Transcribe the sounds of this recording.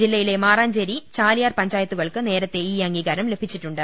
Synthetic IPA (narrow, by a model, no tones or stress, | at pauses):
d͡ʑilːɐjile̞maːraːɲd͡ʑɐɾit͡ɕaːlijaːrpɐɲd͡ʑaːjɐt̪ːuɣɐɭkɨne̞ːɾɐt̪ːe̞iːɐŋɡiːɣɐɾɐmle̞bʱit͡ɕːiʈːuɳɖɨ